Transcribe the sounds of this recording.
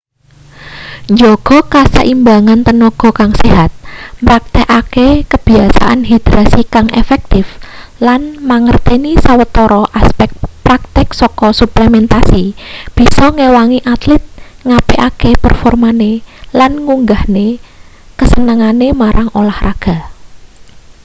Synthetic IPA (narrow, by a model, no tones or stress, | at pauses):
ɲd͡ʒɔɡ̥ɔ̤kasə̰ʔimbaŋant̪ənɔɡ̥ɔ̤kaŋseɦat̪̚mɾak̚t̪ɛʔakekəb̥i̤asa̰ʔa̰nɦid̪̥ɾasikaŋʔḛfɛk̚t̪ɪflanmaŋərt̪enisawət̪ɔɾɔʔaspɛk̚t̪pɾak̚t̪ɪksɔkɔsupləmɛnt̪asib̥isɔŋewaŋiʔat̪lɪt̪̚ŋapeʔakepə̰rfɔrmanelanŋuŋɡahne | kəsənəŋanemaɾʔaŋolahraɡ̥a̤